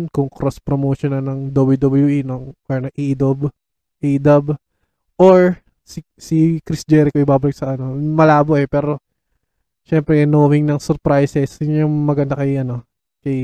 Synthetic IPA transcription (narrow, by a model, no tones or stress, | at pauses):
nkʊŋkɾospɾomoːʃonɐlnɐŋd̪oblud̪obɐluʔinoŋʔɔɹnɐŋʔiʔɪd̪ob | ʔiʔd̪ɐb | ʔoɹ | si | sikɾisd͡ʒɛːɾɪkoʔɪbaːbɐlɪk̚sɐʔɐno̞mɐlaːboʔɛpɛːɾo̞ | ʃɛmpɾɛnoːwɪŋnɐŋsɛɾpɾajsɛsjʊŋmɐɡɐnd̪ɐkɐjʔɐno̞ | kɐj